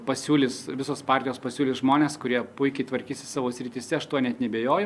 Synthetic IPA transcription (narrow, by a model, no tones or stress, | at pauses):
pɐsʲuːlʲɪsʋʲɪsoːspɑːrʲt̪ʲɪjoːspɐsʲuːlʲɪsʒmoːnʲeːskʊɾʲiɛpʊɪkʲɛɪt̪ʋɐɾʲkʲiːsʲɪ̥sɑːʋoːsʲɾʲɪt̪ʲisʲɛɐʃt̪uɔnʲɛt̪nʲɛbʲeːjoːjɪ